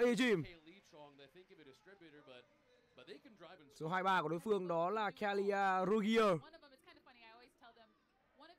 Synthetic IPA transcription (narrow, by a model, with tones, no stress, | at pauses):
ʔi˧t͡ɕi˧˨mli̥sɔ̃ŋðeθɪ̃kɨstɹ̥ɪbjɾə˞bʌt̚ | b̚ekndɹaɪvso˨˦ɦaː˧jɓaː˧kwɗo˨˦jfɨ˧əŋɗɔ˨˦laː˨˩kʰa˧li˧aː˧ɾu˧ɣi˧ə˧ | iz̥tʰɛl̃ˠ